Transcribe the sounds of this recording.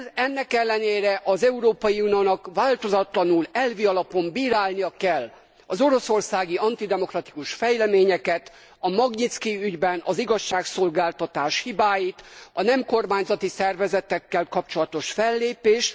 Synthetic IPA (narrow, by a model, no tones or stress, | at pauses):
ɛnːɛkɛlːɛneːɾɛʔɒzɛuɾoːpɒjiunioːnɒkʋaːlt̪o̞zɒt̪lɒnulɛlviɒlɒpo̞mbiːɾaːlnijɒkɛlː | ɒzo̞ɾo̞so̞rsaːɡiɒnt̪id̪ɛmo̞krɒt̪i̥kuʃfɛjlɛmeːɲɛkɛt̪ | ɒmɒɡɲit̪skiyɟbɛnɒziɡɒʃːaːkso̞lɡaːlt̪ɒt̪aːʃhibaːjit̪ɒnɛmko̞rmaːɲzɒt̪isɛrvɛzɛt̪ɛkːɛlkɒpt͡ʃo̞lɒt̪o̞ʃfɛlːeːpeːʃ